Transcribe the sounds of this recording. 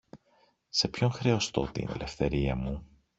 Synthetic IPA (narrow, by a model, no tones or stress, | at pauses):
se̞pço̞ŋxɾe̞o̞st̪o̞̰t̪ḭne̞̰lʔe̞fθe̞ɾiɐmu